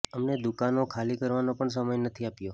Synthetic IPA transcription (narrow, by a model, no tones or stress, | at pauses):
əmned̪ʊkanokʰalikəɾʋanopəɳs̬əməjnət̪ʰiapjo